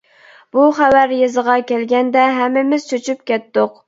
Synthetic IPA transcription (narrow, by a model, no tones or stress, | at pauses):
b̥uχæwæɾjezəʁɑkʲɛlɡʲɛnd̪ɛɦɛmːɪmɪz̥t͡ʃʰøt͡ʃʰyp̚kʲɛt̪ːʊq̚